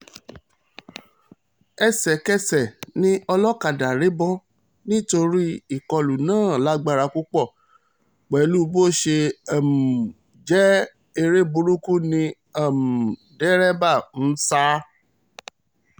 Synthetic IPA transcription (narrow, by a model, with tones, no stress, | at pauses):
ɛ˨sɛ˨kɛ˦sɛ˨nĩ˦ɔ˧lɔ˦ka˨da˨ɾe˨˦bɔ˦ | nĩ˦to˧ɾi˦i˦˨kɔ˧lu˨nãː˦˨la˨˦ɡ͡ba˦˨ɾa˧ku˦k͡pɔ˦˨ | k͡pɛ˨˦lu˦bo˦˨ʃe˧a˨m̩˨ | d͡ʒɛ˦ | e˧ɾe˦bu˧ɾu˦ku˦nĩ˧ | a˦˨m̩˨ | dɛ˦ɾɛ˦ba˦˨n̩˦sa˦